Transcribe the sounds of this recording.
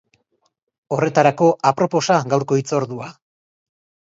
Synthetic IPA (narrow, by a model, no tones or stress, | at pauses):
o̞re̞t̪aɾako̞apɾo̞po̞saɣawɾko̞it͡so̞ɾðua